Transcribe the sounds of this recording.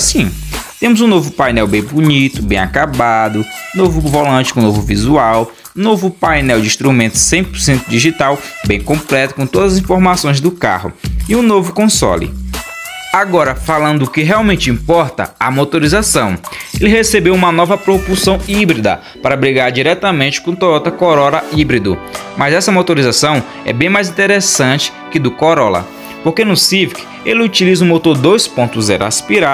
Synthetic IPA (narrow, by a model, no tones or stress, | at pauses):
sĩt̪ẽmʊzũnovʊpajnɛwbẽj̃buɲit̪ʊbẽj̃akabad̪ʊ̃novʊvolɐ̃t͡ʃɪ̥kõnovʊvizuaw | novʊpajnɛwd͡ʒɪĩst̪ɾumẽnt̪ʊ̥sẽj̃pʊɾsẽnt̪ʊd͡ʒiʒit̪awbẽj̃kõplɛt̪ʊ̥kõt̪od̪ɐzɐazĩfoɾmasõj̃zd̪ʊka̰hʊ̰ɪũnovʊkõsɔ̰lɪ̰ | aɡɔɾɐfalɐ̃nd̪ʊʊkɪɦeawmẽnt͡ʃɪĩmpɔɾt̪ɐ̰ɐmot̪oɾizasɐ̃w̃elɪɦesebewũmɐnɔvɐpɾopusɐ̃w̃ibɾid̪ɐ̰ | paɾɐbɾiɡaɾd͡ʒiɾɛt̪ɐmẽnt͡ʃɪ̥kõt̪oɾɔt̪ɐkoɾɔlɐibɾid̪ʊ̰mɐzɛsɐmot̪oɾizasɐ̃w̃ | ɛ̰bẽj̃majzĩnt̪eɾesɐ̃t͡ʃɪ̥kɪd̪ʊkoɾɔlɐ̰ | poɾkenʊsivk | elɪut͡ʃilizũmot̪oɾd̪ojspõnt̪ʊzɛ̰ɾʊa̰spiɾa